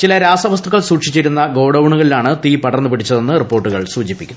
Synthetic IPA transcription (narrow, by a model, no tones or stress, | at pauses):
t͡ɕilɐɾaːsɐʋɐs̬t̪ʰuɣɐɭsuːʈʂit͡ɕːiɾunːɐɡo̞ːɽɐwɳuɣɐɭilaːɳɨt̪iːpɐɽɐrnːɨpiɽit͡ɕːɐðo̞nːɨripːo̞ːrʈːuɣɐɭsuːd͡ʑipːikʲːunːɐ